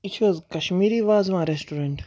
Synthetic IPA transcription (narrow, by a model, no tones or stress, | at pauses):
it͡ʃʰʋɔzkɐʃmiːɾiʋaːzʋãɾesʈoɾẽɳʈ